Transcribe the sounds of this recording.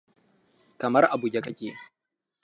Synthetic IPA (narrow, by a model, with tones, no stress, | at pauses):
kɐ˨mɐ˦rʔa˨bu˨ɡʲɐ˦kɐ˦kʲeː˨